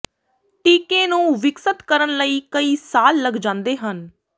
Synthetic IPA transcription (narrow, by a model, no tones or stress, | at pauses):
ʈiːkẽːnũːʋɪksət̪kəɾənləiːkəiːsaːlːəɡd͡ʒãːnd̪eːɦən